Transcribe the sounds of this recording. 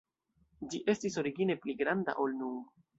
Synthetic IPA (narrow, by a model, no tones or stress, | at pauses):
d͡ʒiʔe̞stiso̞ɾiɡine̞pliɡɾanda̰ʔo̞lnuŋ